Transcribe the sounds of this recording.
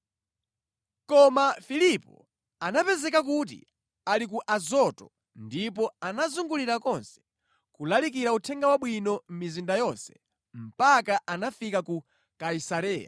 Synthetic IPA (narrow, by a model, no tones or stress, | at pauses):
kɔmafilipɔ̰ | anapɛzɛkak̬ut̬ḭ | alik̬uʔazɔtɔ | ndipɔanazuŋɡuliɾakɔnsɛ̥ | kulalikiɾautʰɛŋɡawaɓwinɔm̩mizindajɔnsɛ̥ | m̩pakaʔanafikaku | kaisaɾɛːja̰